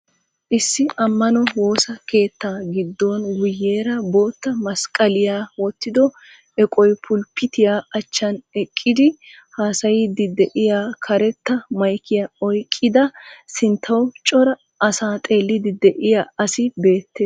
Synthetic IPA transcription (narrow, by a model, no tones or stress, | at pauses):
ʔɪsːɪʔɐmːɐnɔwo̞ːsɐke̞ːt̪ːaːɡɪd̪ːonɡʊjːeːɾɐbo̞ːt̪ːɐmɐskʼɐlɪjaːwɔt̪ːɪd̪ɔ | ɛkʼɔjpʰʊlpːɪt̪ɪjaːɐt͡ʃːɐnɛkʼːɪd̪ɪ | haːsɐjɪd̪ɪd̪ɛʔɪjaːkʰɐɾɛt̪ːɐmɐjkʰɪjaɔjkʼːɪd̪ɐsɪnt̪ʰːɐwt͡ʃʼɔɾɐ | ɐsaːt̪ʼe̞ːlːɪd̪ɪd̪ɛʔɪjaːɐsɪbe̞ːt̪ːeː